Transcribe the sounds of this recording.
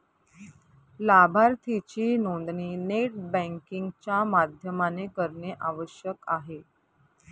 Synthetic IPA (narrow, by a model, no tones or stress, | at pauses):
labʱaɾt̪ʰit͡ɕiːnond̪niːneʈ̚bɛ̃ŋkiŋɡt͡ɕjamad̪ʱjəmanekəɾɳeʔaʋəɕjəkaɦe